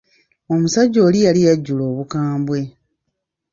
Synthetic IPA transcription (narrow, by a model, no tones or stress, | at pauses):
o̞musaɟːo̞ːlijalijaɟːulo̞ːβukaːmbwe̞